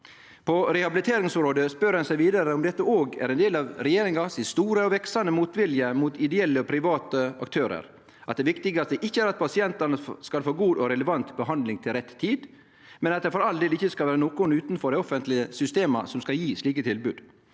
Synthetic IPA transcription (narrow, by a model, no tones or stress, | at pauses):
pʰɔɾɛhɑbɪlɪt̪ʰeːɾɪŋsɔmɾoːd̪əspœɾhɑnsæɪʋiːd̪ɑɾəɔmd̪ɛt̪ːəoːɡæ̰ɾɛnd̪eːlɑʋɾɛjeːɾɪŋɑsɪst̪uːɾəɔʋɛksɑnəmuːt̪ʋɪljəmuːt̪ɪd̪ɛɛlːəɔpʰɾɪʋɑːt̪əɑ̰kt̪ʰøːɾə̰ɾ | ʔɑt̪̚d̪ɛːʋɪkt̪ɪɡəɑt̪d̪ɛʔɪçːəæɾɑt̪̚pʰɑsɪɛnt̪ɑɳəskɑlfoːɡuːd̪ɔɾɛləʋɑnt̪bəɦɑnd̪lɪŋt̪ʰɪlɾɛt̪ʰːiːd̪ | mɛnɑt̪̚d̪ɛfɔɾɑld̪eːlɪçːəskɑlʋæːɾənoːkʊnʉːt̪n̩fɔɾɛɪɔfənt̪lɪəsʏst̪eːmɑ̰sɔmskɑljiːsliːkət̪ʰɪlbʉːd̪